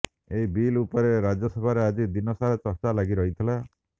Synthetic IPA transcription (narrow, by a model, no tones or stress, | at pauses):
eɦibilupɔɾeɾad͡ʒɔsɔbʱaɾead͡ʒid̪inɔsaɾɔt͡ʃɔɾt͡ʃalaɡiɾɔɦit̪ʰila